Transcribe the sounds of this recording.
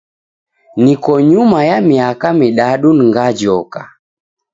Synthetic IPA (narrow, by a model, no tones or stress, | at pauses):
nikɔɲumajamiakamiɗaɗuniŋɡad͡ʒɔka